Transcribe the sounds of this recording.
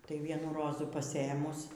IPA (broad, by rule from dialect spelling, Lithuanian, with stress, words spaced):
ˈtɐɪ ˈʋʲiɛnuː ˈroːzuː pɐˈsʲeːmʊs